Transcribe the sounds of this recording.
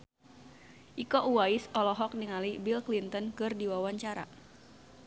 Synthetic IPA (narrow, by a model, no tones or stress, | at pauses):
ʔikɔʔuwaisɔlɔɦɔk̚diŋalibilklint̪ɔnkɨrdiwawaɲt͡ʃaɾa̰